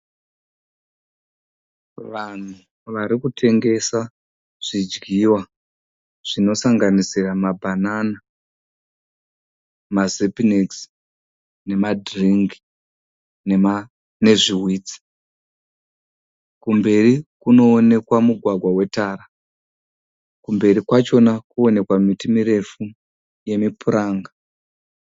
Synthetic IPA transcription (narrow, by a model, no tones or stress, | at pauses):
ʋan̤u | ʋaɾikutʰe̞ŋɡe̞sa | ʐ̥id͡ʒɡiwa | ʐ̥ino̞saŋɡanisiramabʱanana | mazepiniks | ne̞madriŋɡi | ne | ne̞ʐiɦwiːt͡si̥ | kumbe̞rikuno̞ːne̞kwamuɡʱwaɡʱwawe̞taːɾa | kumbe̞ɾikwat͡ʃo̞nakuo̞ne̞kwamitimiɾe̞fu | je̞mipuɾaːŋɡa